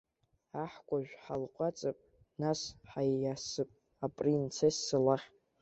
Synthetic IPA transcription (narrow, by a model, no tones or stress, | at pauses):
aħkʷʼaʒᶣħalqʷʼat͡sʼapʼ | nasħajasɨpʼ | apʼrint͡sʰesːalaχʲ